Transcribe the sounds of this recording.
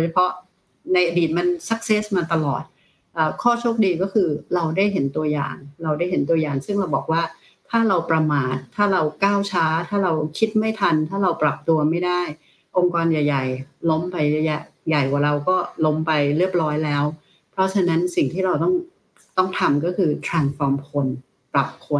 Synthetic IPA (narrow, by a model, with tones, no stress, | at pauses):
do˨˧˩jt͡ɕʰa˧pʰɔ˦˥ʔ | na˧jʔa˧diː˨˩t̪̚ma˧nsa˦˥k̚se˦˥smaː˧t̪a˧lɔ̰ː˨˩t̪̚ | ʔaː˨˩kʰɔː˥˩t͡ɕʰo˥˩k̚diː˧kɔː˥˩kʰɯː˧ɾa˧wdaː˥˩jɦe˩˦nt̪u˧ɐja̰ː˨˩ŋɾa˧wda˥˩jɦe˩˦nt̪u˧ɐjaː˨˩ŋsɯ˥˩ŋma˧bɔː˨˩k̚waː˥˩ | t̪ʰaː˥˩ɾa˧wpɾa˧maː˨˩t̪ʰːaː˥˩ɾa˧wkaː˥˩wt͡ɕʰaː˦˥t̪ʰaː˥˩ɾa˧wkʰi˦˥t̪̚ma˥˩jt̪ʰa˧nt̪ʰaː˥˩ɾa˧wpɾa˨˩p̚t̪u˧ɐma˥˩jda˥˩j | ʔo˧ŋkɔː˧njaː˨˩ja˨˩jlo˦˥mpa˧ja˧˩ja˦˩ja˨˩jkwaː˨˩ɾa˧wkɔː˥˩lo˦˥mpa˧jɾɯ˥˩əp̚ɾɔː˦˥jlɛː˦˥w | pʰɾɔ˦˥t͡ɕʰa˧na˦˥nsi˨˩ŋt̪ʰiː˥˩ɾa˧wt̪ɔ˥˩ŋ | t̪ɔ˥˩ŋt̪ʰa˧mkɔː˥˩kʰɯː˧t̪ʰɾaː˧nsfɔː˧mkʰo˧n | pɾa˨˩p̚kʰo˧n